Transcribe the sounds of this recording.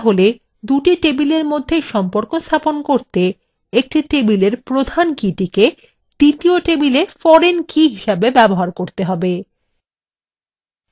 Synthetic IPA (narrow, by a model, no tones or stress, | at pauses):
aɦole | d̪uʈiʈebileɾmod̪ʱːeʃɔmpoɾkost̪ʰaponkoɾt̪e | ek̚ʈiʈebileɾpɾod̪ʱankiʈike | d̪̥it̪ioʈebilefɔɾenkiɦiʃabebɛboɦaɾkoɾt̪eɦɔbe